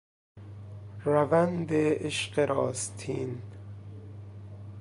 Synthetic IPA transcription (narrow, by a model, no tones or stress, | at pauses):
ɾævænd̪eeʃqeɾʔɒːst̪ʰiːn